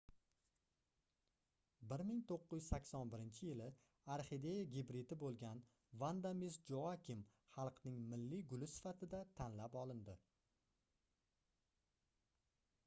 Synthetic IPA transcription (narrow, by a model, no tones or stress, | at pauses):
bɪɾmɪŋt̪ʰoqːɪjʊzsakʲsɒnbɪɾɪnt͡ʃʰɪjɪlɪ | aɾχid̪e̞jaɡʲibɾɪd̪ɪbolˠɡʲan | vand̪amisd͡ʒoakʲɪmχɑlˠqnɪŋmɪlːiɡʊlɪsɪ̥fat̪ʰɪd̪at̪ʰanlapɒlˠɪnd̪ɪ